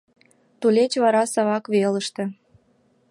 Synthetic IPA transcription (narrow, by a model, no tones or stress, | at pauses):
t̪ulʲet͡ɕβɑɾɑsɑβɑkβeləʃt̪ĕ